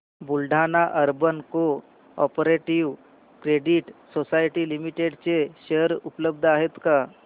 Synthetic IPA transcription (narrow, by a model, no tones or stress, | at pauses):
bulɖʱanaʔəɾbənko | ɔ̰pəɾeʈiʋ | kɾeɽiʈsosajʈilimiʈeɽt͡seɕeəɾupləb̚d̪ʱaɦet̪ka